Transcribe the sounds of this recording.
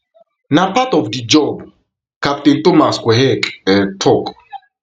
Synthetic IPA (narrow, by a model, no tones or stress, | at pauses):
napatɔvdid͡ʒɔb | kap̚tentomaskwɛɦɛkʼɛtʰɔkʼ